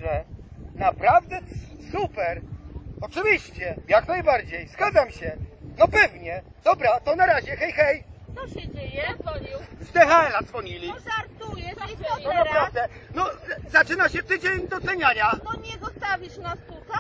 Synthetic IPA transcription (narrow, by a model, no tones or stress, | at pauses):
ʐɛnapɾavd̪ɛ | supɛɾɔt͡ʂɘvʲiɕt͡ɕɛjaknajbaɾd͡ʑejz̥ɡad̪zamɕɛnɔpɛvɲɛ | d̪̥ɔbɾat̪ɔnaɾaʑɛxɛjxɛj̪ɔɕɛd͡ʑejɛvɔɲiwzd̪ɛxaɛlad̪zvɔɲilʲiʐaɾt̪ujɛɔnapɾavd̪ɛnɔzat͡ʂɘnaɕɛt̪ɘd͡ʑeɲd̪ɔt̪sɛɲaɲanɔɲɛzɔst̪avʲiʂnast̪ut̪a